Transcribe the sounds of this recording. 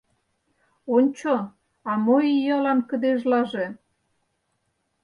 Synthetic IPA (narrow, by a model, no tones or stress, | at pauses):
onʲt͡ɕo | ɑmoijɑlɑnkə̆d̪eʒlɑʒe